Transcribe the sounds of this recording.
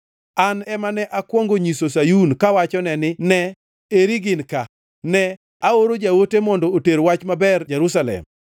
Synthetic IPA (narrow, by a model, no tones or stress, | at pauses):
anɛmanɛʔakwɔŋɡoɲisosajunkawat͡ʃɔnɛnɪnɛ | eɾiɡɪnka | nɛ | aoɾod͡ʒawotemɔndɔoteɾwat͡ʃmabɛrd͡ʒeɾus̬alɛ̰m